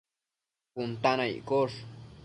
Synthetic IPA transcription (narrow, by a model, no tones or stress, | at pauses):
pʊnt̪anajkoʂ